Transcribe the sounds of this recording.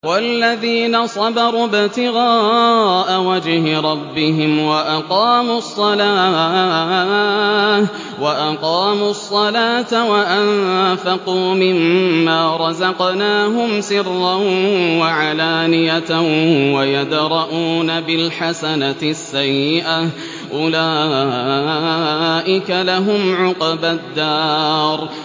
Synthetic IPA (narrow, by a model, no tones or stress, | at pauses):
walːaðiːnɑsˤɑbɑɾˤuːbɪt̪ɪɣaːʔawad͡ʒhɪɾˤɑbːɪɦɪmwaʔɑqɑːmuːsˤːɑlaː | waʔɑqɑːmuːɑsˤːɑlaːt̪awaʔanfɑquːmɪmːaːɾˤɑzɑqnaːɦʊmsɪrːawwaʕalaːnɪjat̪awajad̪ɾˤɑʔuːnabɪlħasanasːajːɪʔa | ʔʊlaː | ʔɪkalaɦʊmʕʊqbad̪ːɑːɾˤ